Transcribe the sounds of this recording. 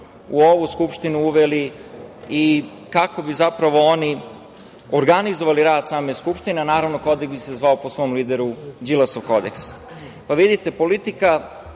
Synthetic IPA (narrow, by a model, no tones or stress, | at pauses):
uoʋuskupʃt̪inuuʋeli | i | kako̞bizapɾaʋo̞oni | oɾɡanizoʋaliɾaːd̪saːmeskupʃt̪ineanaːɾaʋnoko̞d̪ekbise̞zʋao̞po̞sʋo̞mliːd̪eɾud͡ʒilˠasoʋko̞d̪eks | paʋid̪it̪e̞po̞lit̪ika